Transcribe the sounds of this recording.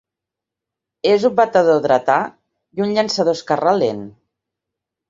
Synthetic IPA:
ezubat̪aðoðɾat̪a | junʎansaðoskaralen

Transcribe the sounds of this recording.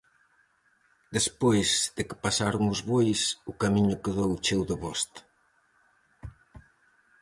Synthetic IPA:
d̪espojzð̥ɪkɪ̥pasaɾʊŋʊzβojsʊkamiɲʊkeðowt͡ʃewðʊβɔst̪

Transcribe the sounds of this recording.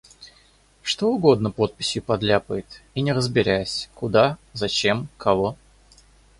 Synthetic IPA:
ʂt̪o̞ʊɡo̞d̪nəpo̞t̪̚pʲɪsʲjʊpɐd̪lʲapəjɪt̪inʲɪɾəzbʲɪɾʲæjsʲkʊd̪azɐt͡ɕe̞mkʰɐvo̞

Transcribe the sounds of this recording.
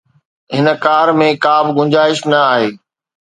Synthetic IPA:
ɦɪnkaːɾmẽkaːbʱɪɡʊ̃ɲd͡ʑaːɪʃnɐaːɦeː

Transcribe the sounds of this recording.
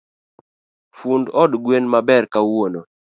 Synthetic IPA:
fundɔdɡwenmabɛrkawono

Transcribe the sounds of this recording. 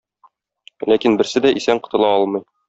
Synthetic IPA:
lækinbɘ̆ɾsɘd̪æʔisæŋqɤ̆t̪ɤ̆lˠɑɒlˠmɤ̆j

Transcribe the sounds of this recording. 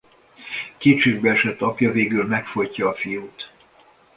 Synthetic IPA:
keːt̪t͡ʃeːɡbɛɛʃɛt̪ːɒpjɒveːɡylmɛkfo̞jcːɒːfijuːt̪

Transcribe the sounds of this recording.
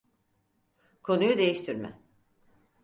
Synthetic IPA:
kʰo̞nujud̪e̞jiʃt̪ʰiɾmɛ̰

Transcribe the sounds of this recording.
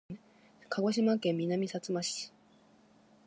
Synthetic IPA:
kʰaɡo̞ɕ̬imakẽ̞mːʲinamʲisat͡sɨmaɕi̥

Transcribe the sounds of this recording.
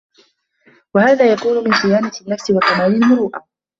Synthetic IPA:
wahaːðaːjakuːnʊmɪnsɪjaːnat̪ɪnːafsɪwakamaːjɪlmʊɾuːʔa

